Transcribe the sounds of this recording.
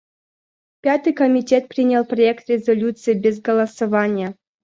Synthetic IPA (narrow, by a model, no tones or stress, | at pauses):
pʲat̪ɨjkɐmʲitʲet̪̚pɾʲinʲəlˠprɐekt̪ɾʲɪzolʲut̪sɨjibʲezɡɐlˠɐsɐvanʲɪjə